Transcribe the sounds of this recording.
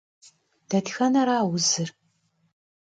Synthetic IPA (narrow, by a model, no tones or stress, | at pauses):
d̥ɐtxɐnɐɾaːwʊzɨr